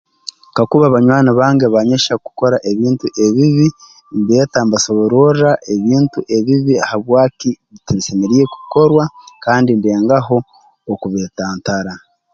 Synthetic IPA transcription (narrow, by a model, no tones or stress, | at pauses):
kakuβaβaɲwaːnaβaːŋɡeβaɲeʃaku̥ko̞ɾaʔe̞βiːntuʔe̞βiβi | mbeːtambasoβoɾoaʔe̞βiːntuʔe̞βiβiahaβwaːkiβitaβisemeɾije̞ku̥ko̞ɾwakaːndinbeːŋɡaɦo̞ː | kuβeːtaːntaɾa